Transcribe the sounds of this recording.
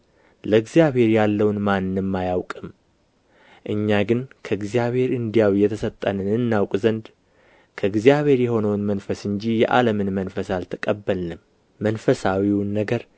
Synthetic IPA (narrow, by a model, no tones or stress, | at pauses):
ləɨɡzijaβhe̞ɾjalːəwnmanːɨmːajawkʼɨm | ʔɨɲːaɡɨnkʰəɨɡzijaβhe̞ɾɨnd̪ijawijɛt̪ʰəsət̪ʼːənɨnɨnːawkʼzənd̪ | kʰəɨɡzijaβhe̞ɾjɛho̞nəwnmənfəsɨɲd͡ʒijɛʔa̰ləmɨnmənfəsalt̪ʰɨkʼəbːəlnɨm | mːənfəsawiwnːəɡəɾ